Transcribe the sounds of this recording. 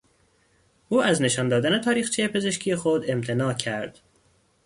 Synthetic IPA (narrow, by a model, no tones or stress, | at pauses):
ʔuːæzne̞ʃɒːnd̪ɒːd̪æne̞t̪ʰɒːɾiːxt͡ʃʰejepʰe̞ze̞ʃcʰijexod̪e̞mt̪ʰe̞nɒːcʰæɾd̪̥